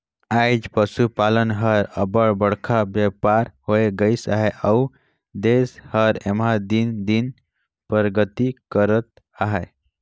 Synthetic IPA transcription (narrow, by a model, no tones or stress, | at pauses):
ajd͡ʒpəsupalənɦəɾəbəɽbəɽkʰabjəpaɾhoeɡəɪsaɦɛʔəu | d̪eshəɾemɦad̪ind̪in | pəɾɡət̪ikəɾət̪ | aɦɛ